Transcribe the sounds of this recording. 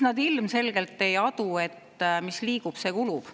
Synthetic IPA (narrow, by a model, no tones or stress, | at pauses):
nɑd̪ilmse̞lɡe̞lt̪ːe̞jɑd̪̥ue̞t̪ːˑ | misliːɡ̥ub̥se̞ːkulub̥